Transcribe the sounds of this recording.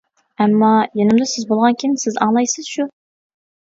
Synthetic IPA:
ɛmːɑjenɪmd̪ɪsɪzbolˠʁɑnkʲʰinsɪzɑ̰ŋlˠɑjsɨz̥ʃu

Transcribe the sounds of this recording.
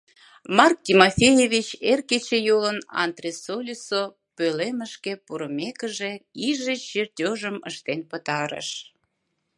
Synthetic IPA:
mɑrk̚tʲimofʲejeβʲit͡ɕerket͡ɕejolənɑ̰nt̪rʲesolʲiso | pøleməʃkepuɾəmekəʒeiʒet͡ɕert̪ʲoʒəmə̰ʃt̪enpət̪ɑɾə̰ʃ

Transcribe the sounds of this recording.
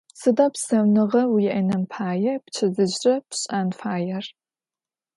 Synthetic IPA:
sɨdaːpsɐwnɨʁɐwjɛʔɐnɐmpʰaːjɐpt͡ʃʰɐzɨʑrɐpɕʼanfaːjɐr

